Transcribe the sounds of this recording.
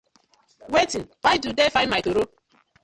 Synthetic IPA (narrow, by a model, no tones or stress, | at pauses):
wetinwajdudefãnmaɪtoɾo